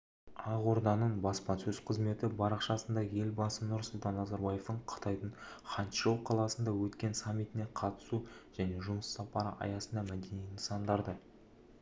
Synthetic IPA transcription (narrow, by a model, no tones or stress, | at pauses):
ɑʁo̞ɾd̪ɑnəɴbɑspɑnsɵz̥qʰəzme̞t̪ɪbɑɾɑqʃɑsənd̪ɑje̞lbɑsənʊɾsʊlˠt̪ɑnːɑzɑɾbɑje̞ft̪əɴqʰə̥t̪ɑjd̪əɴχɑnt̪ʃowqʰːɑlˠɑsənd̪ɑwɵt̪kʲe̞nsamʲːit̪ɪne̞qʰɑt̪ə̥suʒ̥æne̞ʒʊməsːɑpɑɾə̰ʔɑ̰jɑsənd̪ɑmæd̪e̞nijənsɑnd̪ɑɾd̪ə